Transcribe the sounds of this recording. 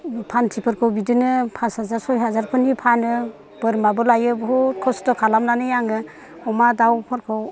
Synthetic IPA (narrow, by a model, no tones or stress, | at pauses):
pʰantʰipʰɯɾkʰɯwbidɯnɯpʰashazaɾsɔjɦazaɾpʰɯnipʰanɯ | b̥ɯɾmabɯlajɯbɦɔkʰɔstɔkʰalamnanɯjaŋɯ | ɔmadawpʰɯɾkʰɯw